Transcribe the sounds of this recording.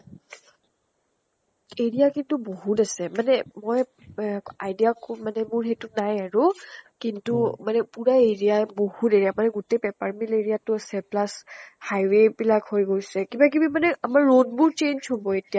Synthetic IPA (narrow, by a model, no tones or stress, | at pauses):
eɹijakintubohutasɛmanɛmoj | ajdijakmanɛmʊɹɦetʊnajaɹukintumanɛpuɹaeɹijabohuteɹijamanɛɡutejpɛpaɹmileɹijatʊasɛplashajwebilakhojɡojsɛkibak̬ibimanɛʔamaɹːod̚bʊɹt͡ʃenzɦobɔetija